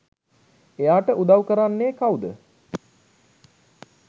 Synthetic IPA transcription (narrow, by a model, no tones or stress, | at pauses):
ejaːʈəʔud̪awkəɾanːeːkawd̪ə